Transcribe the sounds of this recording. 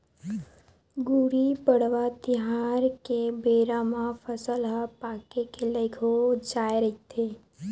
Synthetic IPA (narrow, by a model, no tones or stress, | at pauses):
ɡuɾipəɽ̤ʋat̪iɦaɾkebeɾamãfəsəlɦapakekeləjkʰod͡ʒaːjɾəɦit̪ʰe